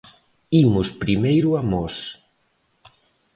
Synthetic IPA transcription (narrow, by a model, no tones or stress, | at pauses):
imʊspɾimejɾʊamɔs